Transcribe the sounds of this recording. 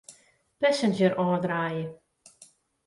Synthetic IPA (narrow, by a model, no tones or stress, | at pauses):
pɛsənd͡ʒəɾʔɔːrdraːjə